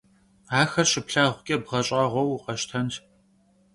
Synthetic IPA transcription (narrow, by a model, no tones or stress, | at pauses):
aːxɐrɕɪpɬaːʁʷʊkʲʼɐbʁɐɕʼaːʁʷɔwʊqʼɐʃtʰɐnt